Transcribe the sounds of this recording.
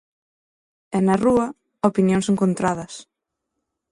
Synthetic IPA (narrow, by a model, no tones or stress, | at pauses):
ɛnɐruɐ | opinjõŋseŋkont̪ɾað̞ɐs